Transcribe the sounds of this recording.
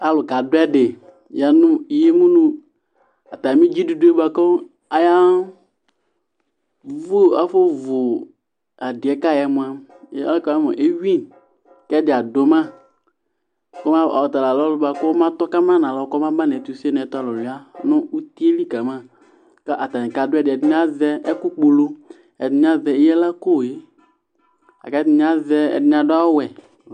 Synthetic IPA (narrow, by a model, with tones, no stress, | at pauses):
a˨lʊ˨ka˨dʊ˦ɛ˦dɪ˨ | ja˨nʊ˦i˨je˦mũ˦nũ˦ | a˨ta˨mĩ˦d͡ʒi˦du˨du˦e˦ba˨kɔ˦ | a˨ja˦ | vu˦a˦fo˦vʊ˨ | a˨dɪ˨ɛ˨ka˦˨jɛ˨mʊ̃˨˦a˦m˦a̰˦lkɔ˦a˦mɔ˨ʔe˦wĩ˦ | kɛ˦dɪ˨a˨do˨˦mã˦ | ko˦mã˦˨a̰˨ɔ˨t̪a˨la˨lɔ˦lʊ˦ba˦ko˦mã˦t̪ɔ˦ka˦mã˦nã˨lɔ˨˦kɔ˦mã˦ba˦n˨ɛ˨t̪u˨˦si˦nɛ̃˨t̪a˦˨lɔ˨li˨a˦nʊ̃˦u˦t̪i˦e˦li˦ka˨mã˦˨ | ka˦ʔa˨t̪a˨nĩ˨ka˨dʊ˦ɛ˦˨dɛ˨dɲ˦a˦zɛ˦ɛ˦ku˦k͡po˨lo˦ | ɛ˨dɪ˨ɲ˦ã˦zɛ˨e˦jɛ˦la˦ko˦˨je˦ | a̰˨ka˦˨ɲ˦ã˦zɛ˦ɛ̰˨dɲ˦ã˨da˦wɛ˨